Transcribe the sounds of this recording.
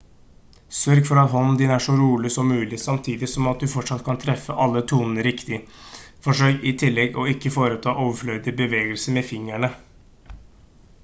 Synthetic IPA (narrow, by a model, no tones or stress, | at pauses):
sœɾɡfɔɾɑt̪ɦɔnn̩d̪ɪnæʂɔɾuːlɪsɔmːʉːlɪsɑmt̪ʰiːd̪ɪsɔmɑt̪̚d̪ʉfɔʈʂɑt̪kʰɑnt̪ʰɾɛfːəʔɑlːət̪ʰuːnənəɾɪkt̪ɪfɔʂœʏɪt̪ʰɪlːɛɡɔɪkːəfoːɾət̪ʰɑːʔoːʋəfɭœʏd̪ɪbəʋeːɡəlsəmɛfɪŋæɳə